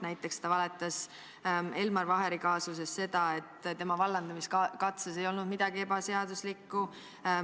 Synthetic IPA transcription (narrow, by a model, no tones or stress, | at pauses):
næjt̪ːˑe̞kst̪ɑvɑlet̪ːˑɑs | e̞lmɑɾvɑɦe̞ɾikɑːsuse̞sːe̞d̪̥ɑe̞t̪ːˑt̪e̞mɑvɑlːɑnd̪̥ɑmiskkɑt̪ses̬e̞jo̞lnud̪̚mid̪̥ɑɡ̥ie̞bɑse̞ɑd̪uslikːˑu